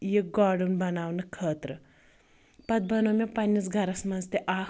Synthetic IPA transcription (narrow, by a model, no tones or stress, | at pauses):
jek̚ɡaːɽunbɐnaːwnɐkʰːəːt̪ɾɐ | pɐt̪̚bɐnomʲepɐnʲːis̬ɡʱɐɾɐsmɐnst̪eʔaː